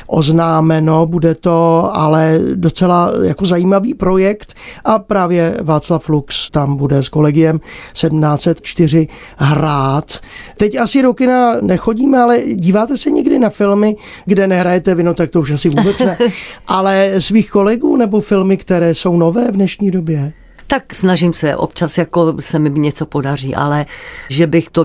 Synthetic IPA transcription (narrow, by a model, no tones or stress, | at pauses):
ʔo̰znaːmɛno̞budɛt̪o̞ʔalɛdot͡sɛlaja̰ko̞zajiːmaviːpɾo̞jɛkt̪ʔapɾaːvjɛvaːt͡slaflukst̪ambudɛsko̞lɛɡɪjɛmsɛdm̩naːt͡sɛt̪t͡ʃt̪ɪr̝ɪ | ɦɾaːt̪t̪ɛcasɪɾokɪnanɛxo̞ɟiːmɛalɛɟiːvaːt̪ɛsɛɲɪɡdɪnafɪlmɪ | ɡdɛnɛɦɾajɛt̪ɛvɪnot̪ak̚t̪ouʃasɪvuːbɛt͡snɛʔalɛsviːxko̞lɛɡuːnɛbo̞fɪlmɪkt̪ɛɾɛːso̞wno̞vɛːvdnɛʃɲiːdo̞bjɛ | t̪aksnaʒɪmsɛ̰ʔo̰p̚t͡ʃasjakosɛmɪɲɛt͡sopo̞dar̝iːʔa̰lɛʒɛbɪxt̪o